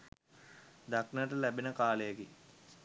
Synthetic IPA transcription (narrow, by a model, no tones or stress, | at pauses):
d̪aknəʈ̬əlæbinəkaːləjəki